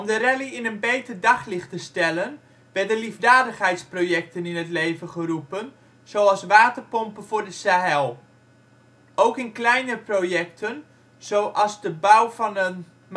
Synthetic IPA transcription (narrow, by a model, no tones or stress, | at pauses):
ɔmdərɛliɪnənbejtərdɑχlɪxtəstɛlən | ʋɛrtdəlivdaːdəχhɛjtsproːjɛk̚tənɪnətleːvənχərupən | z̥owɑlˠsʋaːtərpɔmpəvʊrdəsaɦɛlˠ | owkɪnklɛjnəprojɛk̚tʰən | z̥owʔɑzdəbawfɔnən | m